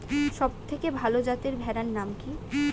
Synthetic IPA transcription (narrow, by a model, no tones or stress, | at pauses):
ʃɔb̚t̪ʰekebʱalod͡ʑat̪eɾbʱɛɾaɾnamki